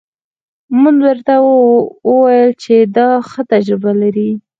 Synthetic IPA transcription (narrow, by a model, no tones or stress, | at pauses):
munwəɾt̪a | əwajəlt͡ʃed̪ɑxət̪ad͡ʒɾɪbalaɾi